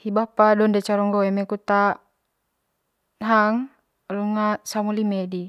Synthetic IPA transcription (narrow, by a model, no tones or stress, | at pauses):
hibapadɔndɛt͡ʃaɾɔŋɡɔɛmekut̪a | nɦaŋ | luŋasamulimedi